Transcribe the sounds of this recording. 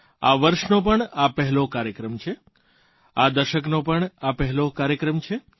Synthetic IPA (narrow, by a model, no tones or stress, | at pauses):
a̰ʋəɾʃnopəɳapɛɦɛlokaɾjəkɾəmt͡ʃʰe | ad̪əɾʃəknopəɳapɛɦɛlokaɾjəkɾəmt͡ʃʰe